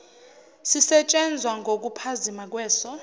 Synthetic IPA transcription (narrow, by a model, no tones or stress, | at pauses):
sisɛt͡ʃʼɛnd͡zʱwaŋʱok̬upʰazimak̬wɛːsɔ